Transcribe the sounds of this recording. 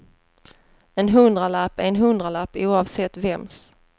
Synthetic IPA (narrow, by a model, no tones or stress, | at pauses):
ɛnɦɵnd̪ɾalapːɛnɦɵnd̪ɾalapːɪuːɑvsɛt̪ːvɛms